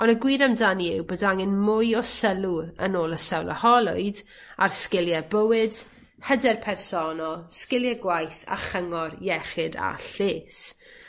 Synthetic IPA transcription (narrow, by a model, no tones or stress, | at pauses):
ɔnəɡwiːɾamdaniɪwbədaŋɪnmʊjɔsəlˠuə̰noːlˠəsɛwlˠə̰hɔlˠʊɨd | arskɪlˠjɛbəwɪd̥ | hədɛrpʰɛrsɔnɔlˠskɪlˠjɛɡwajθa̰χəŋɔrjɛχɪda̰ɬeːs